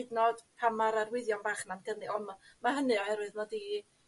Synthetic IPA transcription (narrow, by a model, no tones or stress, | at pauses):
dnɔd̥pʰamaɾarwɪðjɔnbaːχnamɡənɨʔɔnmamaɦənɨɔhɛɾwɨðnɔdi